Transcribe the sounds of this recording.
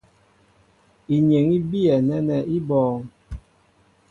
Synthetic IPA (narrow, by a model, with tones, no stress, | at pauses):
i˨ɲe˨ŋi˦bi˦ɛ˨nɛ˦nɛ˨i˦bɔː˨˦ŋ